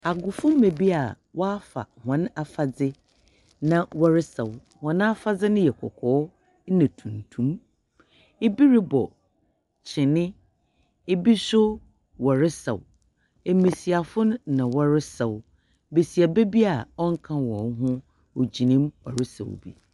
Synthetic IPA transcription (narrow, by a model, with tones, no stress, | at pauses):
a˨ɡʊ˨fʊ̃˦m˦me˨bi˦a˨ | wɔ˦a˦fa̰˨hã˨˦na˨fa˨d͡zɪ˦ | nã˨wɔ˨ɾɪ˦sɛ˨w | hɔ̃˨ñ˦a˦fa˦d͡zɪ˦nʊ̃˦jɛ˨kʰɔ̰˨kʰɔː˨˦ | nã˨tʰũ˨n˨tʰũ˦m | e˦bi˦ɾi˦bɔ˨ | t͡ɕʰɪ̃˨nɪ̃˦ | e˦bi˦sʊ˦ | wɔ˨ɾɪ˦sɛ̰˨w | e˨mẽ˨si˨a˨fʊ˦nʊ̃˦nã˨wɔ˦ɾɪ˦sɛ˨w | be˨si˨a˨be˦bi˦a˨ɔ˦ŋ̩˦kʰã˦wɔ̰̃˨n˦ɦʊ̃˦ | ɔ˨d͡ʑi˨nĩ˦mwɔ̰˨ɾɪ˦sɛ̰˨w̰bḭ˨